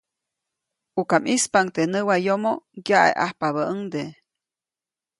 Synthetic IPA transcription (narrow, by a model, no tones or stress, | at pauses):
ukamispaŋt̪enəwajomoɡjaʔḛʔa̰hpaβəəŋd̪e